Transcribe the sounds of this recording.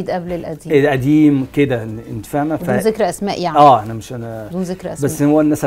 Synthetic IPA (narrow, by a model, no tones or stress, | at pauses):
id̪ʔæblelʔæd̪iːelʔæd̪iːmked̪æent̪feʕnædfæzekɾʔæsmæːʔjaʕæːʔænæmeʃʔænæd̪uːnzekɾʔæbæsːhowːænːæsæ